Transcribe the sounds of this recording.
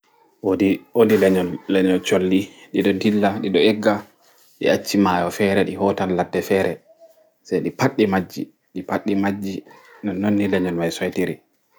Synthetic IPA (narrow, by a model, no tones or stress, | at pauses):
wodiodilɛɲɔnlɛɲɔnt͡ʃolːiɗiɗɔdilːaɗiɗɔɛɡːa | ɗḭat͡ʃːimaːjɔfɛɾɛɗiɦɔtanladːɛfɛːɾɛ | sajɗipaɗːimad͡ʒːḭ | ɗipaɗːimad͡ʒːinɔnːonːilɛɲɔnmajsɔjtiɾi